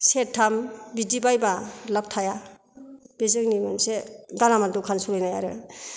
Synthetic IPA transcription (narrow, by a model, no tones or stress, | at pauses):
setʰːambidibajbalap̚tʰaja | b̥ezɯŋnimɯnseɡalamadukʰansulɯjnajaɾɯ